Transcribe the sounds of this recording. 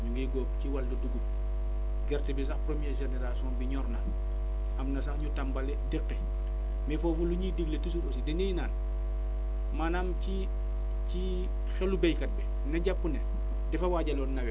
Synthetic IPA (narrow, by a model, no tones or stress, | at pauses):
ɲuŋɡiɡɔːpciwaldoduɡu | ɡɛrtɛbis̬axpɾomjɛʒeneɾalsiɔ̃ːnbiɲɔrnɐ | ɐmnɐs̬ɐxɲutambalɛdɛkːɛ | mɛfɔːfuluɲidiɡletis̬uɾos̬idɛnejinaːn | manamci | ci | xɛlubɛjkɐt̚bɛ | nɐɟapːunɛ | dɛfɐwaːɟalɔːnːɐwɛ